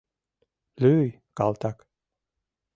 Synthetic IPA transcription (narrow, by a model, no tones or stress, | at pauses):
løj | kɑlˠt̪ɑk